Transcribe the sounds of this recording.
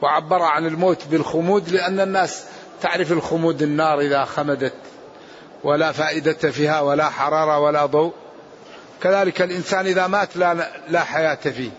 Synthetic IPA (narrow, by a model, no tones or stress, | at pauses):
wɪʕabːɑɾˤʕanɪlmoːt̪bɪlxʊmuːd̪lɪʔanːanːaːs | t̪aʕɾɪfɪlxʊmuːd̪ɪnːɑːɾˤʔɪðaxamad̪at̪ | walafaːʔɪd̪at̪afiːhawalaħɑɾˤɑːɾˤɑwalad̪ˤowʔ | kaðaːlɪkalʔɪnsaːnʔɪðamaːt̪lalaħajaːt̪afiː